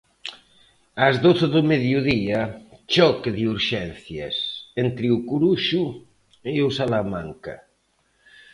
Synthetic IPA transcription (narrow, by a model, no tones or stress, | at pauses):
azðoθeðʊmeðjuðiat͡ʃɔkeðiuɾʃɛnθja̰sent̪ɾɪukuɾuʃu | eusalamaŋka̰